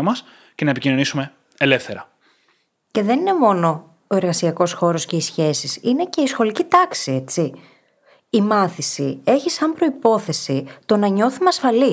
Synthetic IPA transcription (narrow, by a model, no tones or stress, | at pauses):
mɐs | ce̞nɐepicino̞nisume̞ | ele̞fθe̞ɾɐ | ce̞ðe̞nine̞mo̞no̞ | oe̞ɾɣɐsiɐko̞sxo̞ɾo̞sce̞isçe̞sisine̞ce̞isxo̞licit̪ɐksie̞t͡si | imɐθisie̞çisɐmpɾo̞ipo̞θe̞sit̪o̞nɐɲo̞θumeɐsfɐli